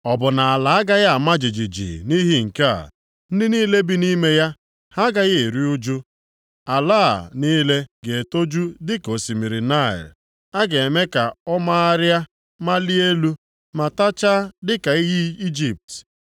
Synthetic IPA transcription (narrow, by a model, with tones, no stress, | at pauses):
ɔ˨bʊ˨na˨a˨la˨a˦ɡa˦ɣa˦a˨ma˦d͡ʒi˨d͡ʒi˨d͡ʒḭ˨ni˦ɦi˦ŋ̩˨ka̰˦˨ | n̩˦dɪ˦niː˦le˦bi˦ni˦me˦ja˦ | ha˦ɡa˦ɣɪ˦e˨ɾi˦ʊ˦d͡ʒʊ˦ | a˨laː˦˨niː˦le˦ɡe˨e˨to˦d͡ʒu˦dɪ˦ko˨si˨mi˨ɾi˨na˦˨ɪ̰˨l | a˦ɡe˨e˨me˦ka˨ɔ˦ma˦a˦ɾja˦ | ma˦li˦e˦lu˦ | ma˨ta˦t͡ʃa˦dɪ˦ka˨i˦ɦi˦i˦d͡ʒi˨p̚t